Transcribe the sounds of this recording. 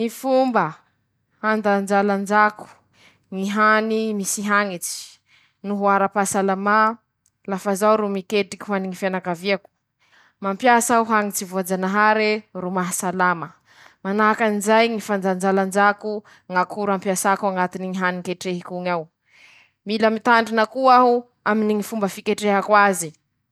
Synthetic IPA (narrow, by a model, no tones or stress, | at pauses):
ŋifumbə | hand̪and͡ʒaland͡ʒaku̥ | ŋiɦanimisiɦaŋit͡si̥ | nuɦuaɾapasalama | lafazawɾumikeʈikʲi̥ɦuaniŋifanakaviaku̥ | mampjasauɦaŋit͡sivuad͡zanaɦaɾerumaɦasalamə | manaakanizajŋifand͡ʒand͡ʒaland͡ʒaku | ŋakʰuɾampjasakuaŋat̪iniŋiɦanikeʈ͡ʂeɦikuŋaw | miləmit̪aɳɖ͡ʐinəkuaɦu | aminiŋifumbəfikeʈ͡ʂeɦakwazi